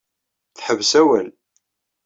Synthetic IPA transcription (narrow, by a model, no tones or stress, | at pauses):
θħəvsæwæl